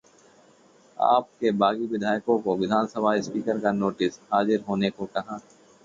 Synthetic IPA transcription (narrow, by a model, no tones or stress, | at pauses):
a̰ːp̚kebaːɡiʋɪd̪ʱaːjkõkoʋɪd̪ʱaːnsəbʱaːispiːkəɾkanoːʈɪsɦaːzɪɾɦoːnekokɐɦãː